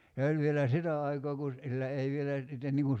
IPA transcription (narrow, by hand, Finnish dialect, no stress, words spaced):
se ol ʋielæ sitæ ɑikoː ku silːæ ei ʋielæ sitːen niŋ kun̞